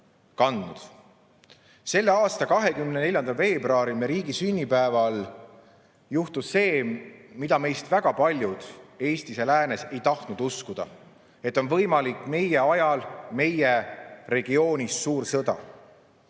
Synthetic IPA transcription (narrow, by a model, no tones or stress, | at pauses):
kɑnd̪nud̪̥ | se̞lːe̞ɑːst̪ɑkɑɦe̞kymnene̞lʲjɑnd̪̥ɑve̞ːbroɑːɾimeɾiːɡ̥isynʲːipæevɑl | juht̪usse̞ːmid̪ɑme̞jst̪væɡ̥ɑpɑlʲjud̪̥e̞ːst̪ise̞læːne̞se̞jt̪ɑht̪nud̪uskud̪̥ɑ̰ | e̞t̪ːˑo̞nvɤ̞jmɑlikːˑme̞je̞ɑjɑlme̞jere̞ɡ̥io̞ːnʲisːuːɾsɤd̪̥ɑ̰